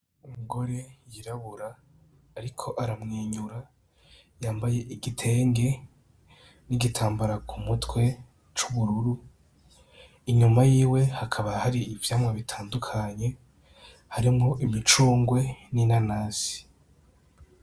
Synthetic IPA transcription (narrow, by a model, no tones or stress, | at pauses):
umuɡo̞ɾe̞jiɾaβuɾaː | ɾikʰo̞ʔaɾamŋiːɲuɾa | jaːmbaje̞ʔiɡitʰe̞ːŋɡe̞ | niɡitʰaːmbaɾakʰumutwe̞ | t͡ʃuβuɾuɾu | iɲumajiːwe̞hakʰaβahaɾiːvjaːmwaβitʰaːndukʰaɲe̞ | haɾimoʔimit͡ʃuːŋɡwe̞ninanaːsi̥